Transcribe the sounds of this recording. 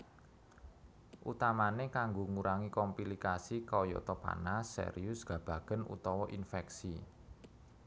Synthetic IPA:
ʔṵt̪amanekaŋɡoŋuɾʔaŋikɔmpilikasikɔjɔ̰t̪ɔpa̰nasḛɾiʊsɡ̥ä̤b̥a̤ɡ̥ə̤nṵt̪ɔwɔʔinfɛksi

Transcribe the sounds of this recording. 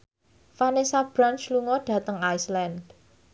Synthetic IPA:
fanesab̥ɾant͡ʃluŋɔɖ̥a̤t̪əŋajslɛnd̥

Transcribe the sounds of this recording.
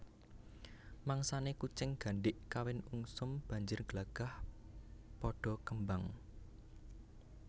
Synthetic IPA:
maŋsanekut͡ʃɪŋɡ̥ä̤ɳɖɪʔkawɪnuŋsʊmb̥a̤ɲd͡ʒʊrɡ̥laɡ̥a̤h | pɔɖ̥ɔ̤kəmbaŋ

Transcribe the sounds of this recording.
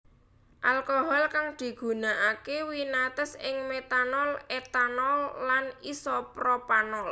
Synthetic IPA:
ʔalkoɦɔlkaŋd̪̥i̤ɡ̥ṳnaʔakewinat̪ɔsɪŋmet̪anɔlet̪anɔlːanisɔpɾɔpanɔl

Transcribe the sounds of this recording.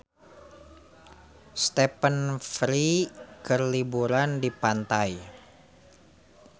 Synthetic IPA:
st̪ɛpənfɾikərlibuɾandipant̪aj

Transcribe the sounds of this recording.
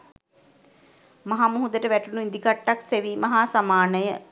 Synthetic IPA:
maɦamuɦud̪əʈəʋæʈunuind̪ikaʈːakseʋiːmɐɦaːsamaːnəjə

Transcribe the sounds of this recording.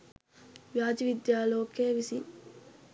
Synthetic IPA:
ʋjaːd͡ʒiʋid̪jaːloːkeːʋisi

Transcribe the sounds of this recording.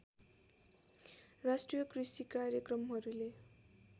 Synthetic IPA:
rasʈrijʌkrisikarjʌkrʌmɦʌɾule

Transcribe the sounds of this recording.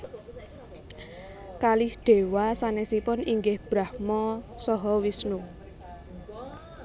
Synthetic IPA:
kalihɖ̪̥e̤wasanesipʊniŋɡɪhb̥ɾahmɔsɔɦɔwisnu

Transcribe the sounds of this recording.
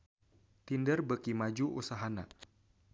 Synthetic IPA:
t̪indərbəkimad͡ʒuʔṵsaɦana̰

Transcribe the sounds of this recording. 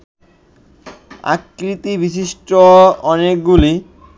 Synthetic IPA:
a̰kɾit̪ibiʃ̬iʃʈoɔnek̚ɡuli

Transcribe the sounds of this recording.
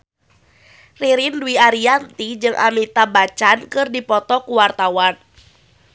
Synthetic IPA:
riɾinduiaɾiant̪id͡ʒɨŋʔa̰mit̪abat͡ʃankɨrdipɔt̪ɔkuwart̪awan

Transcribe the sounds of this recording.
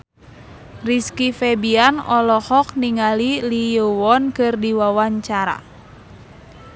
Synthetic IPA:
riskifɛbianɔlɔhɔk̚niŋalilijəwɔnkɨrdiwawaɲt͡ʃaɾa̰

